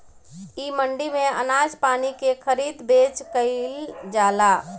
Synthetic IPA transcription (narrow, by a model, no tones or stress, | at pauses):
iːməɳɖimẽə̰naːd͡ʒpaːnikekʰəɾiːd̪beːt͡ʃkəɪld͡ʒaːlaː